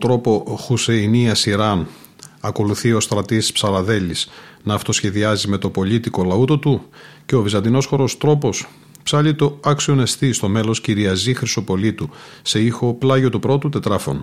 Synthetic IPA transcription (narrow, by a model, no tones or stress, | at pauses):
t̪ɾo̞po̞xuseiniɐsiɾɐn | ɐko̞luθio̞st̪ɾɐt̪ispsɐlɐðe̞lisnɐːft̪o̞sçe̞ðiɐzime̞t̪o̞po̞ʎit̪iko̞lɐut̪ot̪uce̞ovizɐnd̪ino̞sxo̞ɾo̞st̪ɾo̞po̞s | psɐʎit̪o̞ɐksione̞st̪ist̪o̞me̞lo̞sciɾiɐzixɾiso̞po̞lit̪u | se̞ixo̞plɐʝo̞t̪upɾo̞t̪ut̪e̞t̪ɾɐfo̞̰n